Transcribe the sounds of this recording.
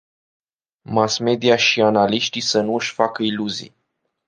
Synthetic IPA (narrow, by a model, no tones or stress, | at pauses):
masme̞d̪iaʃianaliʃt̪isən̪uɨʃʲfakəiluzḭ